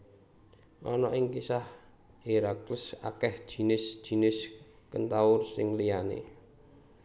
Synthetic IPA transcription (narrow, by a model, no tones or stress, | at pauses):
ʔɔ̰nɔʔɪŋkisah | iɾakləsa̰kɛhd̥ʒ̥i̤nɪsd̥ʒ̥i̤nɪs | kənt̪aʊrsɪŋlijanḛ